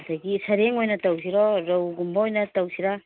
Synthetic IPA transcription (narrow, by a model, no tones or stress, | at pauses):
daɡisaɾeŋojnataws̬iɾoɾowɡumbojnatawsiɾa